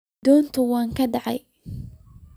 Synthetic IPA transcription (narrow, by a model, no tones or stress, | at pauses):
d̪̥ɔːnt̪ʰʊwɑːŋkʰɐɖɑʕɑ̰j